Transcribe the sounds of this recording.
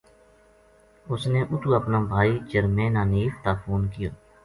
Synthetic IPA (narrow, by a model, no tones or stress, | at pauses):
ʊsneːʔʊt̪uːəpnãːbʱaːiːt͡ʃəɾmẽːnãːniːft̪aːpʰoːnkɪjoː